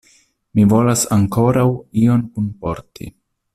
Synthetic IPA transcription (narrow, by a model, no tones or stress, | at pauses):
mivo̞lasaŋko̞ɾawio̞nkunpo̞̰ɾtʰḭ